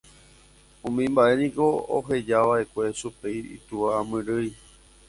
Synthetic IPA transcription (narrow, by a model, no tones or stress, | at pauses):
ũmĩmbaʔe̞nĩko̞o̰ɦe̞d͡ʒaʋae̞kʷe̞supejḭt̪uʋaamɨ̃ɾɨj